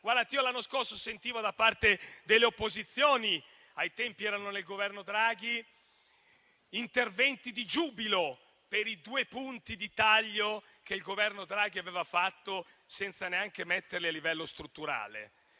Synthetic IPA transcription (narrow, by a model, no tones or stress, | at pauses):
ɡward̪at̪iːolanːoskorsosent̪iːvod̪apːart̪ed̪elːeopːozit̪sːjoːni | ajt̪ɛmpiɛːɾanonelɡovɛrnod̪ɾaːɡi | nt̪ervɛnt̪id̪id͡ʒuːbilo | peɾid̪uːepunt̪id̪it̪aʎːo | k̟eilɡovɛrnod̪ɾaːɡ̟iaveːvafat̪ːo | sɛnt̪saneaŋkemɛt̪ːerlialːivɛlːost̪ɾut̪ːuɾa̰ːlḛ